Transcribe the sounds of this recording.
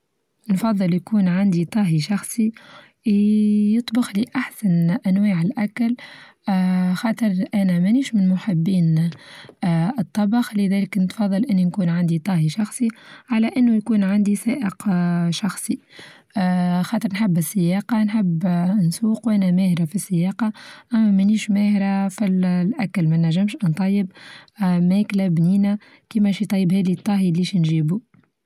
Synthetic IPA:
nfɑðˤːɨljkuːnʕand̪it̪ˤɑɦiʃɑxsˤi | jɨt̪ˤbɑxliʔaħsanʔænwaːʕɪlʔakal | xɑːt̪ˤɨɾˤʔænæmæniːʃmɪnmʊħɪbːiːn | t̪ˤːɑbɑxlɪðæːlɪknt̪fɑðˤːɑlʔɪnːinkuːnʕand̪it̪ˤɑɦiʃɑxsˤiʕalæʔɪnːujkuːnʕand̪isæːʔəqʃɑxsˤi | xɑːt̪ˤəɾnħabːɪsːɪjɑːqɑnħabːnsuːqwʔænæmæːhɾafisːɪjɑːqɑʔæmːæmæniːʃmæːhɾafillʔækalmænːæʒɪmʃʔɑnt̪ˤɑjːəb | mæːklæbniːnæ | kiːmæʃit̪ˤɑjːɪbhɛːd̪it̪ˤːɑːɦiliːʃnʒiːbu

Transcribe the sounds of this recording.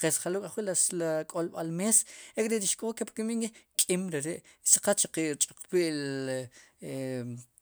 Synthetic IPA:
qesχalokʼaχwiʔlaslakʼolɓalmesekʼɾeɾiʃkʼokepḁkimiŋkekʼimɾeɾeʔsaqat͡ʃaqit͡ʃʼaq͡χbiʔl | e

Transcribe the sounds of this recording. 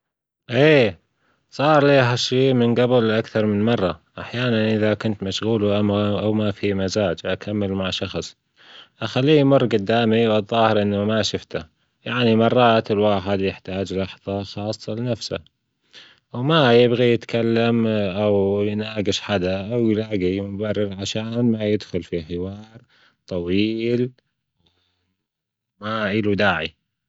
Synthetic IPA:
ʔeː | sˤɑːɾˤliːɦaʃːeːmɪnɡabʊlʔakθɑɾˤmɪnmɑrˤːɑʔaħjaːnanʔɪðakʊnt̪maʃɣuːluʔamʔawmafimazaːd͡ʒʔakʰamːɪlmaʕʃɑxsˤ | ʔaxalːiːjmʊrˤːɡʊd̪ːaːmiwʔɑt̪ðˤːɑːhɪɾʔɪnːamaʃʊft̪a | jaʕnimɑrˤːɑːt̪ɪlwaːħɪd̪jɪħt̪aːd͡ʒlɑħðˤɑxɑːsˤːɑlɪnafsa̰ | wmajɪbɣijɪt̪kʰalːamʔawjɪnaːɡɪʃħad̪aʔawjlaːɡimʊbarːɪɾʕaʃaːnmajɪd̪xʊlfixɪwɑːɾˤ | t̪ˤɑwiːl | maʔɪlud̪aːʕḭ

